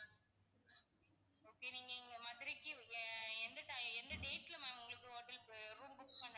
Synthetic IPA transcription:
oːkːeːniːŋɡɐɪŋɡɐmɐðɪɾɪkːɯɛnd̪ɐʈ̪aɛnd̪ɐʈeːʈːlɐmaːnʊŋɡɐɭɯkːɯoːʈːɐlpɾuːmbʊkpɐɳːɐ

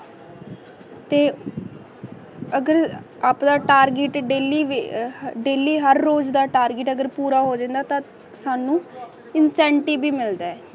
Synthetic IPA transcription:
t̪eː | əɡəɾ | aːpd̪aːʈaːɾɡɪʈɖeːliːʋɖeːliːɦəɾːoːd͡ʒd̪aːʈaːɾɡɪʈəɡəɾpuːɾaːɦoːd͡ʒãːnd̪aːt̪ãː | saːnũː | ɪnsɛ̃ːɳʈibiːmɪld̪aːɛː

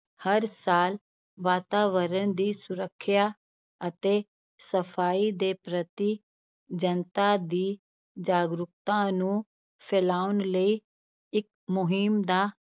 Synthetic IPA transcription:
həɾsaːl | ʋaːt̪aːʋəɾəɳd̪iːsʊɾəkʰːjaː | ət̪eː | səpʰaːiːd̪eːpɾət̪iː | d͡ʒənt̪aːd̪iː | d͡ʒaːɡɾʊk̚t̪ãːnũː | pʰelaːʊnləiː | ɪk̚ | mʊɦɪmd̪aː

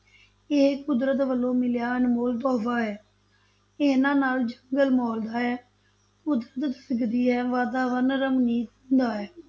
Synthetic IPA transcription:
ɪːkʊd̪ɾət̪ʋəlõːmɪljaːənmoːlt̪̬ɔːfaːɦɛː | ɪːnãːnaːld͡ʒəŋɡəlmɔːld̪aːɛː | kʊd̪ɾət̪sɪɡd̪iːɦɛːʋaːd̪aːʋənɾəmniːt̪ʊnd̪aːɦɛː

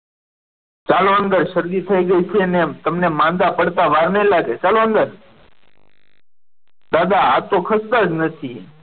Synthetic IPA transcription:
t͡ʃaloənd̪əɾʃəɾd̪it̪ʰəiɡəit͡ʃʰenet̪əmnemãnd̪apəɽt̪aʋaɾnelaɡet͡ʃaloənd̪əɾ | d̪ad̪aat̪okʰəst̪ad͡ʒnət̪ʰi

